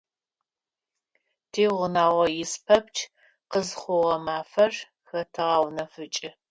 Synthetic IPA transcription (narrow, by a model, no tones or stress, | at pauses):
tʰeːʁʷʊnaːʁɐjɪspʰɐpt͡ʃʰ | qəzχʷʊʁɐmaːfɐr | xɐtʰɨʁɐwnɐfɨt͡ʃʼɪ